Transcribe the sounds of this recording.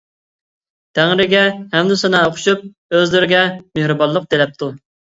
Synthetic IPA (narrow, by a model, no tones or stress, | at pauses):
t̪ʰæŋɾɪɡʲɛhɛmd̪usɨnɑoqʰʊ̥ʃup̚ | øzlyɾɪɡʲɛmehɾɨbɑlˠːəq̚t̪elɛp̚t̪ʰu